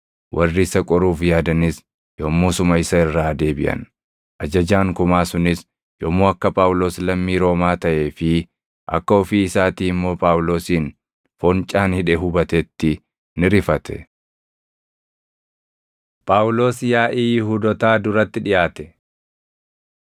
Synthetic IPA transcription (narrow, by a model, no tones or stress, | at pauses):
wʔɐrːɪːsɐkʼɔɾuːfjaːd̪ɐnɪs | jomːuːsʊmɐɪsɐɪrːaːd̪e̞ːbɪʔɐ̰n | ʔɐd͡ʒɐd͡ʒaːŋkʊmaːsʊnɪs | jɔmːoːɐkːɐpʼaːʊlo̞ːslɐmːiːɾo̞ːmaːt̪ɐʔe̞ːfɪ | ʔɐ̰kːɐɔfiɪsaːt̪iːmːo̞ːpʼaːwʊlo̞ːsiːn | fɔnt͡ʃʼaːnhɪᶑɛɦʊbɐt̪ɛt̪ːɪ | nɪɾɪfɐt̪ʰɛ̥̰ | pʼaːʊlo̞ːsjaːʔiːjɪɦud̪ɔt̪aːd̪ʊɾɐt̪ːɪᶑɪjaːt̪ɛ